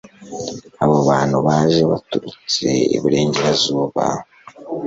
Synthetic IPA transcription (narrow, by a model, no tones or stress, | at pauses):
aβoβaːn̥huβaːʒe̞βatuɾut͡se̞̰ḭβiɾe̞ːɲɟeɾazuːβa̰